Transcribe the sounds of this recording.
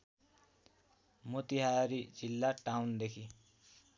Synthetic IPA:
mot̪iɦaɾid͡zilːaʈawnd̪ekʰi

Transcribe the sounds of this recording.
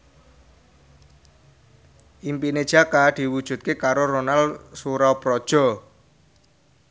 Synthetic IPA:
ʔimpine̥ʒ̥a̤kad̪̥i̤wud̥ʒ̥ṳt̪̚kekaɾoronalsuɾaopɾɔd̥ʒ̥ɔ̤

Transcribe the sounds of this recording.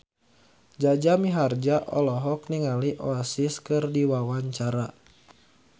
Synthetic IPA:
d͡ʒad͡ʒamiɦard͡ʒaʔɔlɔɦɔk̚niŋaliʔɔasiskɨrdiwawaɲt͡ʃaɾa

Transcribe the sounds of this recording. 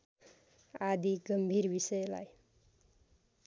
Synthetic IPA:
ad̪iɡʌmbʱirbisʌjla̰j

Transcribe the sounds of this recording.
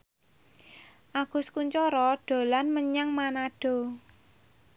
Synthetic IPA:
ʔaɡ̥ʊ̤skuɲt͡ʃɔɾɔɖ̥o̤lanməɲaŋmanaɖ̥o̤

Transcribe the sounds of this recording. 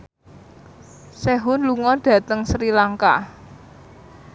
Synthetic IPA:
seɦʊnluŋɔrɖ̥ä̤t̪əŋsɾilaŋka̰

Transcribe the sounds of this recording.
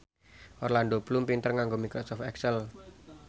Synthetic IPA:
ʔɔrland̪oblumpint̪ərŋaŋɡomikɾosɔft̪ɛksɛl

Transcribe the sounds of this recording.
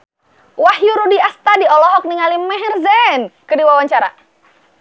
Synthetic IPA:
wahjuɾudiast̪adiɔlɔɦɔk̚niŋalimɛɦɛrzɛnkədiwawaɲt͡ʃaɾa̰

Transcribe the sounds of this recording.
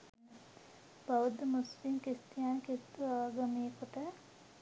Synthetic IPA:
baʋəd̪əmuspiŋkest̪ijaːnkest̪uaːɡɐmijəkoʈə

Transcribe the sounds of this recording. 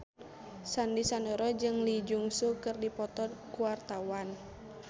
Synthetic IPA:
sandisandɔɾɔd͡ʒɨŋlid͡ʒuŋsukɨrdipɔt̪ɔdkuwart̪awan

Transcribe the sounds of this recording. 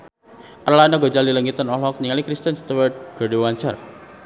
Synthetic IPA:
ʔərlanaɡod͡ʒaliləŋit̪ənɔlɔk̚niŋalikɾist̪ənst̪uwərd̪̚ɡ̥ə̤dewaɲt͡ʃər

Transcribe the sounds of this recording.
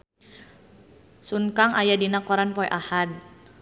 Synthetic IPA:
suŋkaŋʔajadinakɔɾanpɔɛʔahad̚

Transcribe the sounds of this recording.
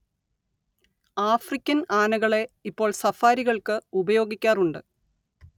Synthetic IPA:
aːfrikʲːɐnaːnɐɣɐɭe̞ipːo̞ːɭsɐfaːɾiɣɐɭkɨubɐjo̞ːɡikʲːaːruɳɖɨ

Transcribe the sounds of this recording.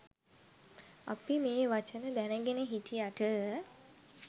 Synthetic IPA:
a̰pimeːʋat͡ʃənəd̪ænəɡeneɦitʰijaʈə

